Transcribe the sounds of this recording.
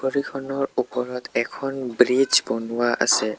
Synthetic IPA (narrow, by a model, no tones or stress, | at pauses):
koɹikʰɔnɔɹupɔɹɔtɛkʰɔnbɹid͡ʒbonʊwaʔa̰sɛ